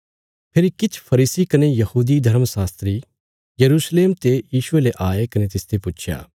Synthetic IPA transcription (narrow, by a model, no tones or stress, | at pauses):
pʰɪɾikɪt͡ʃʰpʰɐɾiːsikɐnejɐhuːd̪id̪ʱɐɾmsaːst̪ɾi | jɐɾuːsleːmt̪ejiːʃʊeleʔaːekɐnet̪ɪst̪epʊt͡ʃʰja̰ː